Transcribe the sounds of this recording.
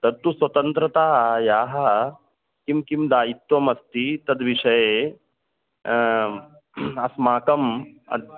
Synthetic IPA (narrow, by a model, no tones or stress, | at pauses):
t̪ɐd̪̚t̪usʋɐt̪ɐnt̪ɾɐt̪aːɦjaːɦɐ | kimkimd̪aːit̪ʋɐmɐst̪it̪ɐd̪ʋiʂɐje | ɐsmaːkɐmɐ̰d̪